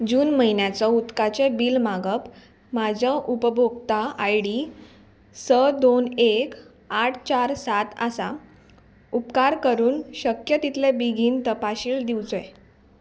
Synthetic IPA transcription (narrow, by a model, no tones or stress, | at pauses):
d͡ʑuːnməɦinjat͡sɔut̪kat͡sebiːlmaɡəp | mad͡ʑʱəʔupəbʱoɡt̪aajɽi | səd̪onek | aʈʰt͡ɕaɾsat̪asa | upkaɾkəɾuːnɕəkjət̪it̪lebiɡʱiːnt̪əpaɕiːld̪iwd͡zoe